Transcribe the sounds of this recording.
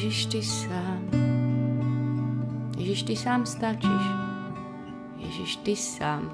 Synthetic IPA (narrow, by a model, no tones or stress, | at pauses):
ʒɪʃt̪ɪsaːm | jɛʒɪʃt̪ɪsaːmst̪at͡ʃiʃ | jɛ̰ʒɪʃt̪ɪsaːm